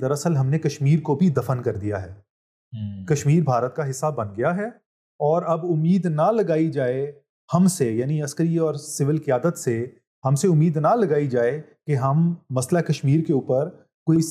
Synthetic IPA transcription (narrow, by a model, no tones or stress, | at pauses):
d̪ɐɾɐsəlɦɐmnekɐʃmiːɾkobʱid̪ɐfənkɐɾd̪ijaɦɛː | kɐʃmiːɾbʱaːɾət̪̚kaɦɪsːabɐnɡɐjaɦɛː | ɔːɾɐbʊmːiːd̪nɐlɐɡaːid͡ʒaːe | hɐmsejaːniɐskəɾiɔːɾsɪʋɪlkijaːd̪ət̪se | hɐmseʊmːiːd̪nɐlɐɡaːid͡ʒaːekeɦɐmːɐslakɐʃmiːɾkeuːpəɾ | koːi